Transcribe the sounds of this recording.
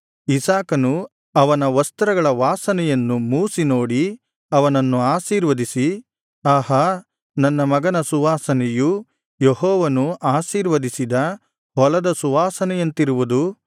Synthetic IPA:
isaːkɐnu | ɐʋɐnɐʋɐst̪ɐɾɐɡɐɭɐʋaːsɐnɛjɐnːumuːsino̞ːɽi | ɐʋɐnɐnːuaːʃiːɾʋɐd̪isi | aːɦɐ | nɐnːɐmɐɡɐnɐsuʋaːsɐneju | jeɦɔːʋɐnuʔaːʃiːɾʋɐd̪isid̪ɐ | ɦɔlɐd̪ɐsuʋaːsɐnɛjɐnt̪iɾuʋud̪u

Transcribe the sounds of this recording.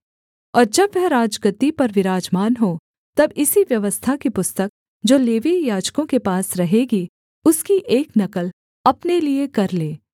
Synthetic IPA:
ɔːɾd͡ʒɐbʋɛɦɾaːd͡ʒkɾɪt̪ːipɐɾʋɪɾaːd͡ʒmaːnɦo | t̪ɐbɪsiʋjɐʋəst̪ʰakipʊst̪ək̚ | d͡ʒoːleːʋijaːd͡ʒkõkepaːsɾɐɦeɡi | ʊskiʔeːknɐkəl | ɐpneliekɐɾleː

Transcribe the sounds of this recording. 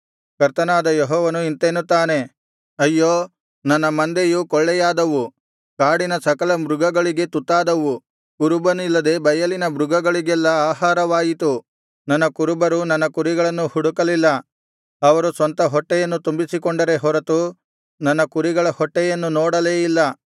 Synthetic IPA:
kɐɾt̪ɐnaːd̪ɐjeɦɔːʋɐnuint̪eːnut̪ːaːne̞ | ɐjːoː | nɐnːɐmɐnd̪ejukɔɭːɛjaːd̪ɐʋu | kaːɽinɐsɐkɐlɐmɾuɡɐɡɐɭiɡe̞t̪ut̪ːaːd̪ɐʋu | kuɾubɐnilːɐd̪e̞bɐjɐlinɐbɾuɡɐɡɐɭiɡɛlːɐaːɦaːɾɐʋaːjit̪u | nɐnːɐkuɾubɐɾunɐnːɐkuɾiɡɐɭɐnːuhuɽukɐlilːɐ | ɐʋɐɾusʋɐnt̪ɐɦɔʈːɛjɐnːut̪umbisikɔɳɖɐɾe̞ɦɔɾɐt̪u | nɐnːɐkuɾiɡɐɭɐhɔʈːɛjɐnːunoːɽɐleːjilːɐ

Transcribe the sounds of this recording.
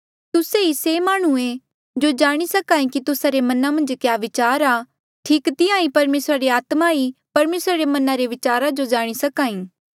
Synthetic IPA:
t̪ʊseisemaːɽ̃uẽ | d͡ʒod͡ʒaːɽ̃isɐkaːĩkit̪ʊsaɾemɐnamɐ̃nd͡ʒkjaːʋɪt͡ʃaːɾaː | ʈʰiːkt̪ɪãːĩpɐɾmeːsɾaɾeaːt̪maipɐɾmeːsɾaɾemɐnaɾeʋɪt͡ʃaːɾad͡ʒod͡ʒaːɽ̃isɐkaːĩː

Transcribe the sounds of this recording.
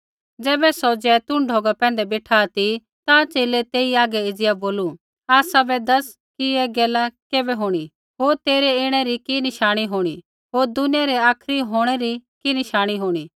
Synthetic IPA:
d͡zɛːbɛsɔd͡ʒɛt̪ʊ̃ɳɖʱoːɡapɛ̃ːnd̪ɛbeːʈʰaːt̪i | t̪at͡ʃeːlet̪eːiaːɡɛɪd͡zɪjaboːlu | aːsabɛd̪ɐs | kiɛɡɛːlakeːbɛɦoːɽ̃i | ɦoːɾt̪eːɾɛeːɽ̃ɛɾikinɪʃaːɽ̃iɦoːɽ̃i | ɦoːɾd̪ʊnɪjaɾɛaːkʰɾiɦoːɽ̃ɛɾikinɪʃaːɽ̃iɦoːɽ̃iː

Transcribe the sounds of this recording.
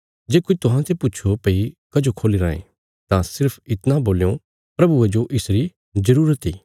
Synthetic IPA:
d͡ʒeːkʊit̪ʊɦãt̪ʰepʊtːt͡ʃʰopeikɐd͡ʒokʰoːliɾã̰ːḛ̃ | t̪ãsɪɾpʰɪt̪nãboːljo | pɾɐbued͡ʒoʔɪsɾi | zɐɾuːɾət̪ḭː

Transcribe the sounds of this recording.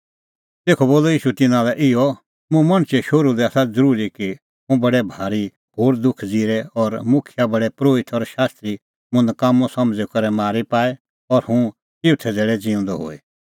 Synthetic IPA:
t̪eːkʰɔboːlɔiːʃut̪ɪnãlɛʔɪɔ | mũmɐɽ̃t͡ʃeʃoɾud̪ɛasad͡zəɾuːɾiki | ɦũbɐɽɛbʱaːɾi | hoːɾd̪ʊkʰd͡ziːɾɛɔɾmʊkʰjabɐɽɛpɾoːɪt̪ʰɔɾʃaːst̪ɾi | mʊ̃nd̪kaːmɔ̃sɐ̃md͡zɛkɐɾɛmaːɾipaːɛ | ɔɾhũ | ɪʋt̪ʰɛd͡zeːɽɛd͡zɪ̃ʊ̃nd̪ɔɦo̰ːe

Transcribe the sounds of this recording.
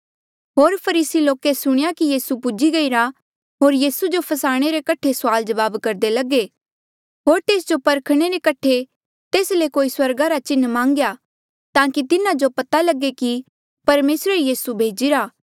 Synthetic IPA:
ɦoːɾpʰɐɾiːsiloːkesʊɽ̃ɪjakijiːsupʊd͡ʒiɡɐiɾa | ɦoːɾjiːsud͡ʒopʰɐsaːɽ̃eɾekɐʈʰesʊaːld͡ʒɐʋaːbkɐɾd̪elɐɡe | ɦoːɾt̪eːsd͡ʒopɐɾkʰɽ̃eɾekɐʈʰe | t̪eːslekoːiswɐɾɡaɾat͡ʃɪnːmãːŋɡja | t̪ãːkit̪ɪnãd͡ʒopɐt̪alɐɡeki | pɐɾmeːsɾəɾjiːsubʱeːd͡ʒiɾaː

